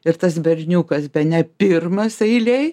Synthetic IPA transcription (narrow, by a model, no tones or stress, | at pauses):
ɪɾt̪ɐsbʲɛrʲnʲuːkɐsbʲɛnʲɛpʲɪrmɐsɐɪlʲɛɪ